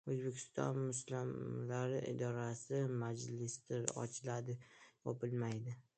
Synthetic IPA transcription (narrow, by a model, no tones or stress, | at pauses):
ɵzbekʲʰɪ̥st̪ɒ̰nmʊslɪmlaɾɪʔɪ̰d̪ɒɾasɪmad͡ʒlɪst̪ɪɾɒ̰t͡ʃʰɪlad̪ɪjʰɒpɪlmajd̪ɪ